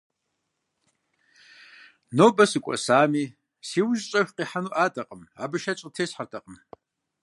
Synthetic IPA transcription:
noːbɐsɨkʷʼɔ̰saːmiː | siːwʊʒt͡ʃʼɐɕʷqiːħanuʔaːtʼɐqʼəmaːbɨʃɐt͡ʃʼətʰeːsħartʰɐqʼəm

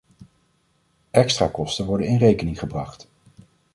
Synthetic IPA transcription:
ɛkstraːkɔstənʋɔɹdənɪnrejkənɪŋχəbrɑχt

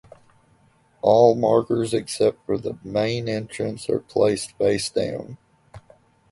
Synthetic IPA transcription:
ʔɔlˠmɑɹkə˞zɨksɛp̚tfə˞ðəmẽɪ̃nɛ̃nt͡ʃɹ̥ɨ̃nsə̰˞pʰl̥eɪstb̥eɪsd̥ã̰ʊ̃n

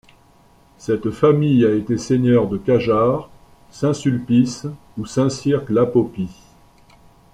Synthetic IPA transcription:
sɛt̪famijaet̪eseɲœʁd̪əkaʒaʁ | sɛ̃sylpis | usɛ̃siʁklapɔpi

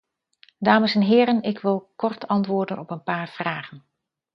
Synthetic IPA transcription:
daːməsɛnɦɪːɾənɪkʋɪlˠkɔɹtɑntʋʊːɹdənɔpənpaːɹv̥raːχən

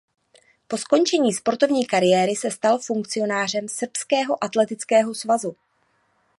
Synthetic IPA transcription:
po̞sko̞nt͡ʃɛɲiːspo̞ɾt̪o̞vɲiːkaɾɪjɛːɾɪsɛst̪alfuŋkt͡sɪo̞naːr̝ɛmsr̩pskɛːɦo̞ʔat̪lɛt̪ɪt͡skɛːɦo̞svazu

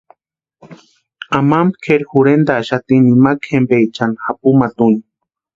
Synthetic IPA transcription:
amambkʰeɾxuɾend̪aːʃat̪inimakxembeit͡ʃanxapumat̪uni

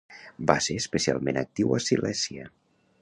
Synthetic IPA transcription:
baseɾəspəsia̰lˠmenək̚t̪iwəsilɛsiə

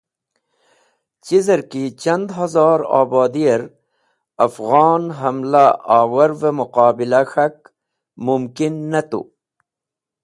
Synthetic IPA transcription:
t͡ɕizɐɾkit͡ɕɐnd̪ɦɐzɑːɾɑ̰ːbɑːd̪ijɐɾ | ɐfɣɑːnɦɐmlaaːwɐɾvemuqaːbilaxɐk̚ | mumkinːɐt̪ṵ

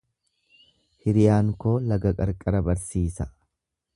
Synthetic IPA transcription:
hɪɾɪjaːŋko̞ːlɐɡɐkʼɐɾkʼɐɾɐbɐɾsiːsɐ

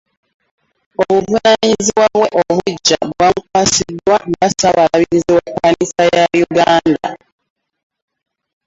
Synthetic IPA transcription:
oβuvunaniziβwaβwe̞ʔoβuɟːaβwamukwasidwaŋɡasaβalaβiɾiziwekːanisajajuɡaːnda̰

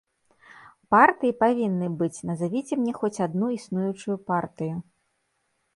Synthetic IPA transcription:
part̪ɨjipavʲinːɨbɨt͡sʲnɐzavʲit͡sʲɛmnʲɛxɔt͡sʲad̪nuisnujut͡ʂujupart̪ɨju

